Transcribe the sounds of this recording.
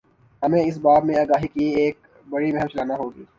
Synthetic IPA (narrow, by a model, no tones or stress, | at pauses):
ɦɐmẽɪsbaːbmẽaːɡaːɦikieːk̚ | bɐɽimɛɦəmt͡ʃɐlaːnaɦoːɡiː